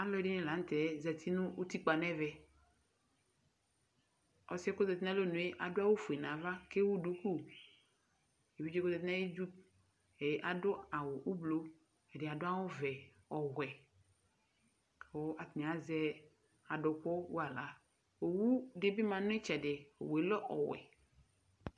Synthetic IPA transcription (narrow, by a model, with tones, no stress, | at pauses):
a˦lɔ˦˨˦dɪ˦nɪ̃˦la˨n̩˦t̪ɛ˨˦zɛ˨t̪ʰi˦nũ˦o˦t̪i˦k͡pa˨nɛ̃˦vɛ˦˨ | ɔ˨sɛ˦kʊ˦zɛ˨t̪ɪ˦nã˦lo˦nũ˨e˦ʔa˨dʊ˦a˦wo˦fu˨e˨nã˨va˦ke˦wu˦du˦ku˦ | e˨wi˦d͡ʒi˦kʊ˦zɛ˨t̪̬ɪ˦nã˦ji˦d͡ʒu˦p | e˨˦ʔa˨dʊ˦a˨wʊ˨ʔu˦blo˦ | ɛ˨dɪ˨a˨dʊ˦a˦wʊ˦vɛ˨ | ɔ˨ɣʷɛ˨ | o˦a˨t̪nĩ˨a˨˦zɛ˦ | a˨dʊ˨kɔ˦wu˦a˨la˨˦ | o˨wu˦de˦bi˦mã˨nʊ̃˦e˦t͡ʃɛ˨de˨o̰˨we˨lɔ˦ʔɔ̰˨wɛ̰˨